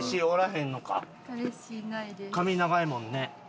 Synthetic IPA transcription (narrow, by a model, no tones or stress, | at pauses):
ɕioɾaɦẽnːo̞ka̰ | kamʲinaɡaemõ̞nːe̞